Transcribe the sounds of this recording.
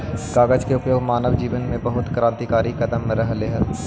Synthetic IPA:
ɡ̥aːɡəd͡ʒkeʊpjoːɡmaːnəʋd͡ʒiːʋənmẽbɐɦʊt̪kɾãːnt̪ikaːɾikɐd̪əmːeɾɐɦleɦəɾ

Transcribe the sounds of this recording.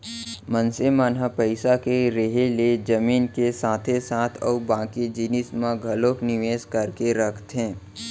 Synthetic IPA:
mə̃nsemaːnɦapəɪsakeɾeɦeled͡ʒəmiːnkesaːt̪ʰesaːt̪ʰɔ̰ːbãːkid͡ʒɪnɪsmãɡʱɐloːknɪʋeːskəɾkeɾɐkʰt̪ɦɛ̃ː

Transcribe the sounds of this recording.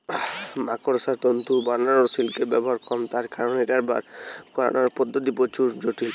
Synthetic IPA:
makoɾosaɾt̪ont̪uɾbaɾnːaɾosilkebɛbɔɦaɾkɔmt̪aɾkaɾoneʈaɾba̰ɾkɔɾa̰naɾpɔd̪ʱːot̪̬ipot͡ɕuɾd͡ʑoʈʰil

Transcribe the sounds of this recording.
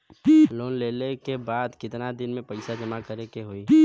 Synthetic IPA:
loːnleːlekebaːd̪kɪt̪nad̪ɪnmẽpəɪsad͡ʒɐmakəɾekeɦoːiː

